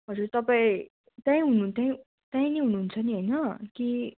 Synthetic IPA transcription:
ɦʌd͡zurt̪ʌpaĩ | t̪jãĩɦununt̪jãĩ | t̪jãĩneɦunuɦːnt͡sʰʌniɦʌjnʌki

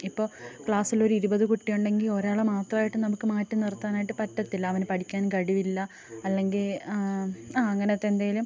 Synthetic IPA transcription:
ipːo̞ːkɭaːsilo̞ɾuiɾubɐðɨkuʈːijoɳɖe̞ŋɡilo̞ɾaːɭɐmaːt̪rɐʋaːjiʈːɨnɐmukːɨmaːtːumnirt̪ːaːnaːjiʈːɨpɐtːɐt̪ːilːɐːʋɐnpɐʈʰikʲːaːnkɐɽiʋilːɐ | ɐlːe̞ŋɡil | aːɐŋːɐneɐt̪ːend̪aːjilum

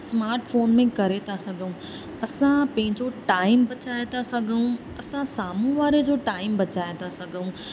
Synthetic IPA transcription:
smaːɾʈfʰoːnmẽkɐɾet̪ʰasɐɡʱəũ | ɐsãpɐ̃ɦɪ̃ɲd͡ʑoʈaːɪmbɐt͡ɕaːet̪asɐɡʱəũ | ɐsãsaːmũʋaːɾed͡ʑoːʈaːɪmbɐt͡ɕaːet̪asɐɡʱəũ

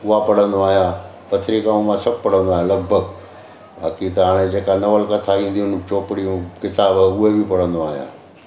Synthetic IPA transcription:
ʊɦapɐɽ̤ə̃nd̪oaːɦjãː | pɐt̪ʰɾikaːmmãsɐb̚pɐɽ̤ə̃nd̪oaːɦjalɐɡ̚bʱəɡ | baːkit̪ɐɦaːɽ̃ed͡ʑeːkanɐʋəlkɐt̪ʰaʋĩːn̆d̪iʊnt͡ɕoːpɪɽijũkɪt̪aːbəʊɦebipɐɽ̤ə̃nd̪oaːɦijã̰ː

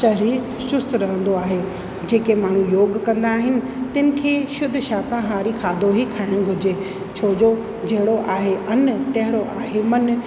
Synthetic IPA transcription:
ʃɐɾiːɾ | ʃʊst̪ɾɐɦə̃nd̪oaːɦe | d͡ʑeːkemaːɳ̤ũjoːɡkɐ̃nd̪aːɦɪnɪ̆ | t̪ɪnɪ̆kʰeːʃʊd̪ʱʃaːk̪ãɦaːɾikʰaːd̪ʱoɦikʰaːɪɽ̃ɡʱʊd͡ʑe | t͡ɕʰoːd͡ʑo | d͡ʑɐɦɪɽoʔaːɦeʔɐnt̪ɐɦɪɽoʔaːɦemɐn

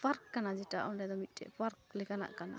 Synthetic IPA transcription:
paɾkːanad͡ʒɛta̰ʔɔndɛd̪ɔmit̪̚ˀtɛ̰ʔpaɾk̚lɛkana̰ʔkana̰

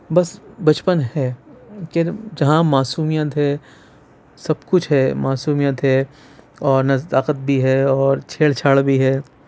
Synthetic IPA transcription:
bɐsbɐt͡ʃpənɦɛːkɪɾd͡ʒɐɦãmaːsuːmijət̪ɦɛː | sɐbkʊt͡ʃʰɦɛmaːsuːmijət̪ɦɛ | ɔːɾnɐt̪aːqət̪̚bʱiɦɛɔːɾt͡ʃʰeːlt͡ʃʰaːɽbʱiɦɛː

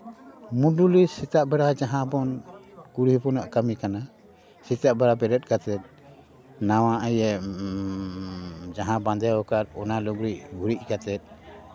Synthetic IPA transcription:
muɖulisit̪aʔbɛɽad͡ʒaɦãbɔnkuɾhipɔnaʔkamikana | sit̪aʔbɛɾapɛɾɛt̪̚ˀkat̪ɛt̪̚ˀ | nawãʔəjɛ | d͡ʒaɦãband̪ɛwɔkaɾɔnaluɡɾiʔɡuɾiʔ̚kat̪ɛt̪̚

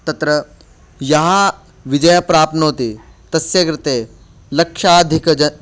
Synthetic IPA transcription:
t̪ɐt̪ɾɐ | jɐɦa | ʋid͡ʒɐjɐpɾaːp̪̚nɐɦot̪i | t̪ɐsjɐkɾɪt̪eː | lɐkʂaːd̪ʱikɐ

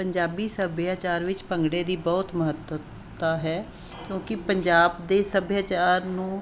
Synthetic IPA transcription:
pəɲd͡ʒaːbiːsəbjaːt͡ʃaːɾʋɪt͡ʃpə̃ŋɡɽeːd̪iːbɔːt̪məɦət̪ə | t̪aːɦɛː | kjõːkɪpəɲd͡ʒaːbd̪eːsəbjaːt͡ʃaːɾnũː

